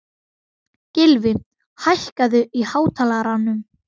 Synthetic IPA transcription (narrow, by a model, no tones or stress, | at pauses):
cɪlvɪ | hajhkaðʏihaːwt̪ʰaːlaɾanːʏm